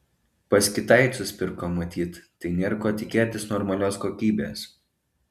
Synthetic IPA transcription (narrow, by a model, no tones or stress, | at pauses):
pɐskʲɪt̪ɐɪt̪sʲʊsʲpʲɪɾkoːmɐt̪ʲiːt̪ːɐɪnʲeːɾkoːt̪ʲɪkʲeːt̪ʲɪsnɔɾmɐlʲoːskoːkʲiːbʲeːs